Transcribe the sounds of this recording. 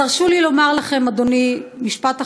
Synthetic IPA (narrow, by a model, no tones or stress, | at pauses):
aʁʃulilo̞maʁlaχe̞mad̪o̞nimiʃpat̪a